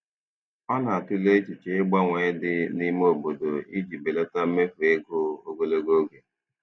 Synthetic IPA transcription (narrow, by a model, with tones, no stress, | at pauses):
ɔ˦na˨a˨tʊ˦le˦t͡ʃi˨t͡ʃe˨ɪ˦ɡ͡ba˦ŋʷe˨˦dɪ˦ni˦m˦o˨bo˨do˨i˦d͡ʒi˨be˨le˦ta˦m̩˦me˦fu˨e˦ɡʊ˦o˦ɡe˨le˦ɡo˦ɡe˨